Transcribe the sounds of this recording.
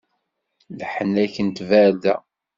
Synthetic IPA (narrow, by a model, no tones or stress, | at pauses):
ləħənæçənt̪væɾdæ